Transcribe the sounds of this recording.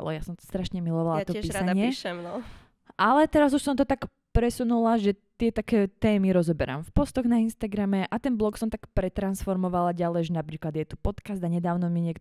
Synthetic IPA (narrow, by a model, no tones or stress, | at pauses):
lɛ̰jasɔmsḁst̪ɾaʃɲɛmilɔʋalat̪ɔppiːsaɲɪɛiʃɛmnɔ | ʔalɛt̪ɛɾazuʃsɔmt̪ɔt̪ak | pɾɛsunulaʒɛt̪ɪɛt̪akɛːt̪ɛːmiɾɔzɔbɛɾa̰mfpɔst̪ɔɣnainst̪aɡɾamɛʔat̪ɛnblˠɔksɔmt̪akpɾɛt̪ɾansfɔɾmɔʋalaɟalɛjʒɛnapɾiːklad̪jɛt̪upɔt̪kazd̪aɲɛd̪aːʊnɔmiɲɪɛk